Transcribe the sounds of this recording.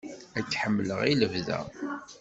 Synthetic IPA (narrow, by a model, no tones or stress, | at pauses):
æt͡sːħəmːləʁiləvðæ̰